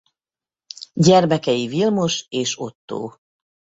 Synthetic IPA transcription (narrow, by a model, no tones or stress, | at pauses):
ɟɛrmɛkɛjivilmoʃeːʃo̞t̪ːo̰ː